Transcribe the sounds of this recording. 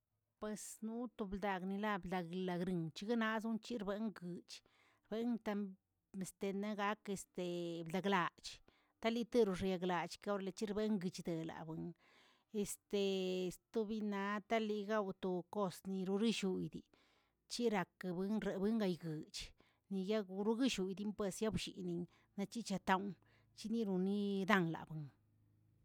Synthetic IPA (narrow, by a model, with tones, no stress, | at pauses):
pwe˧snu˦t̪o˧bld̪a˨ɡni˧la˦bld̪a˧ɡla˧ɡɾi˨ŋt͡ʃi˦ɡa˦na˦z̬u˦nt͡ʃi˦ɾbe˧˦ŋɡɨ˨t͡ʃ | ɾbe˦nt̪a˧ | e˧˨st̪e˧na˦ɡa˧˦ke˧st̪e˨bld̪a˨ɡla˨t͡ʃ | t̪a˦li˧˦t̪e˦ɾu˧ʐja˧ɡla˨t͡ʃka˦o˦ɾle˧t͡ʃi˦ɾbe˦ŋɡɨ˧t͡ʃd̪e˨la̰˨bɨ˨˦ŋ | e˧st̪e˨˧st̪u˦bi˧na˧t̪a˦li˧ɡa˦wt̪o˧ko˦˧sni˧ɾu˧ɾi˦ʃu˧jd̪i˨ | t͡ʃi˦ɾa˨kbɨ˦nɾe˨bɨ˦ŋɡa˧jɡɨ˨t͡ʃ | ni˧ja˦ɡu˧ɾu˦ɡi˦ʃu˧jd̪i˦mpwe˧sja˦bʃḭ˨ni˧ŋ | na˧t͡ʃi˦t͡ʃa˧t̪a˧˦wn | t͡ʃi˦ni˦ɾu˧ni˦d̪a˦˧nla̰˨bɨ˨ŋ